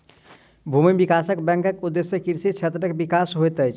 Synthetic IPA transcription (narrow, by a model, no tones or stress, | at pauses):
bʱumibikasəkbɛ̃ŋkəkud̪ːesjəkiɾsit͡ʃʰet̪ɾəkebikasɦojt̪əjt͡ʃʰ